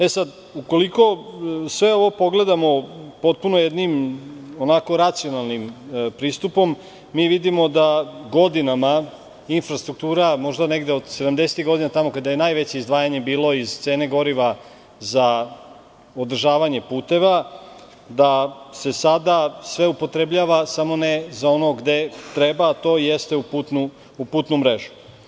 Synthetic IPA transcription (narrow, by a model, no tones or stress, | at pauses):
esad̪ | uko̞liko̞sʋe̞o̞ʋo̞po̞ɡle̞d̪amo̞po̞t̪̚punojed̪nimonako̞ɾat̪sijo̞nalˠnimpɾiːst̪upo̞mː | iːʋid̪imo̞d̪aɡo̞d̪inama | infɾast̪ɾuk̚t̪uːɾamo̞ʒd̪ane̞ɡd̪eod̪se̞d̪amd̪eset̪iɡo̞d̪inat̪amo̞kad̪ajenajʋe̞t͡ɕeizd̪ʋaːjaɲe̞biːlo̞iz̥t̪se̞ːne̞ɡo̞ɾiʋa | za | od̪r̩ʒaːʋaɲe̞puːt̪e̞ʋa | d̪ase̞sad̪asʋe̞upo̞t̪ɾe̞bʎaʋasamo̞nezao̞no̞ɡd̪e̞t̪ɾe̞baːt̪o̞ːjest̪e̞uput̪nu | upuːt̪numɾe̞ʒu̥